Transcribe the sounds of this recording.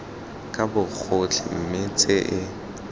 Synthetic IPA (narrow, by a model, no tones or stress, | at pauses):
kʼabʊk͡xʰʊt͡ɬʰɪm̩mɪt͡sʼɪʔɪ